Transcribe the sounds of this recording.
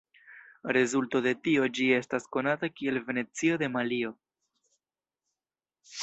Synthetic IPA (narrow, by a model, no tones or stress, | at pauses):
ɾe̞zulto̞de̞tio̞d͡ʒie̞stasko̞natakie̞lve̞ne̞t͡sio̞de̞malio̞